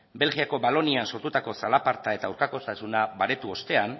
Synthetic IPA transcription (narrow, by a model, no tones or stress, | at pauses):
be̞lɣiako̞βalo̞nianso̞ɾt̪ut̪ako̞salapaɾt̪ae̞t̪awɾkako̞st̪asunaβaɾe̞t̪uo̞st̪e̞an